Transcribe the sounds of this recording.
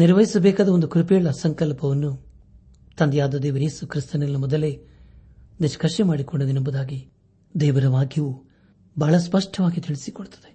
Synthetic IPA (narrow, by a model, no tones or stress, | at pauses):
niɾʋɐɦisɐbɛːkaːd̪ɐond̪ukɾupɛjɐɭːɐsɐŋkɐlpɐʋɐnːu | t̪ɐnd̪jaːd̪ɐd̪ɛːʋɐɾeːsukɾist̪ɐnɐlːɐmɔd̪ɐle̞ | niʃkɐʃemaːɽikoɳɖɐd̪enɐmbud̪aːɡi | d̪ɛːʋɐɾɐmaːɡʱjɐʋu | bʱaːɭɐspɐʂʈʰɐʋaːɡit̪iɭisikɔɽut̪ɐ̥d̪e